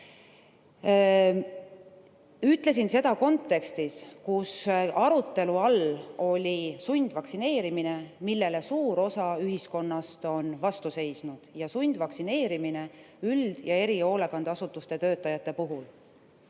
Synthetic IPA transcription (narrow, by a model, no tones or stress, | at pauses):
yt̪ːˑle̞s̬inse̞d̪̥ɑko̞nt̪ːˑe̞kst̪iskusɑɾut̪ːˑe̞luɑlo̞lʲisujnd̪̥vɑksine̞ːɾimine̞milːe̞le̞suːɾo̞sɑyɦisko̞nːɑst̪o̞nvɑst̪use̞jsnud̪̥jɑsund̪̥vɑksine̞ːɾimine̞ | yld̪̥jɑe̞ɾio̞ːlekɑnd̪̥ɑsut̪ːˑust̪e̞t̪ø̞ːt̪ːˑɑjɑt̪ːˑe̞puɦul